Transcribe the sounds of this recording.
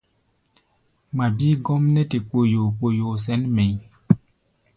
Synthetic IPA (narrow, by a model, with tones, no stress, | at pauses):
ma˨biː˦ɡɔ˦mnɛ˦ti˨k͡po˨jo˨k͡po˨jo˨s̬ɛ˨˦nmɛ˨ɲ